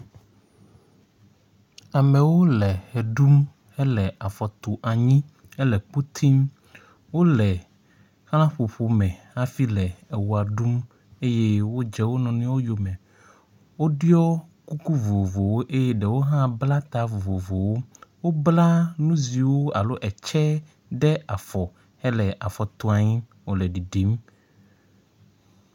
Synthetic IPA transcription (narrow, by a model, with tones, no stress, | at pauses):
a˨mɛ̃˨wo˦lɛ˨hɛ˨ɖu˦m | ɛ˦lɛ˨ʔa˨fɔ˨t̪o˨ʔa˨ɲĩ˦ | ɛ˦lɛ˨k͡pu˦t̪ʰi˦m | wo˦lɛ˨ | xl̃ã˦ɸo˨ɸo˨mɛ̃˨ | a˦fi˦lɛ˨e˨wu˨a˨ɖu˦m | e˦je˦wo˦d͡ʒɛ˦wo˦nɔ̃˨nĩ˦wo˦jo˨mɛ̃˨ | wo˦ɖjɔ˦ku˦ku˦vo˨vo˨wo˦ʔe˦jɛ˦ɖɛ˨wo˦ɦã˦bla˦t̪a˦vo˨vo˨vo˨wo˦wo˦bla˦nũ˦zi˨wo˦a̰˨lo˦ʔɛ˨t͡ʃɛ˦ | ɖɛ˦a˨fɔ˨ | ɛ˦lɛ˨ʔa˨fɔ˨t̪ɔ˦a˨ɲĩ˦ | wo˨lɛ˨ɖi˨ɖi˨˦m